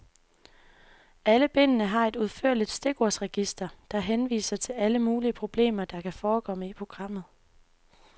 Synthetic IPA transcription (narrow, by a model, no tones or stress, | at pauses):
æləb̥e̝n̰ənəɦɑ̈e̝d̥uð̞ˠfø̰ɐlid̥sd̥e̝ɡ̥o̝ɐsʁɛɡ̥isd̥ɐd̥ɑ̈ɦenʋḭːsɐt͡sʰe̝læləmuːliəpʰʁo̝b̥le̝̰ːmɐd̥ɑ̈kʰæfɒːkʰɒ̽məipʰʁo̝ɡ̥ʁɑ̈m̰ð̞̩ˠ